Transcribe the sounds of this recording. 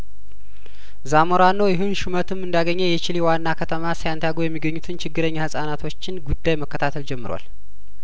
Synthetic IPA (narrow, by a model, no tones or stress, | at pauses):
zamoɾanːojɪɦɨnʃumət̪ʰɨmɨnd̪aɡəɲːɛjɛt͡ʃɪliwanːakʰət̪ʰəmasajant̪ʰajaɡujɛmːiɡəɲːut̪ʰɨnt͡ʃʰɪɡːɨɾəɲːahɨsʼanat̪ʰo̞t͡ʃːɪnɡud̪ːajməkːət̪ʰat̪ʰəld͡ʒɛmːɨɾwa̰l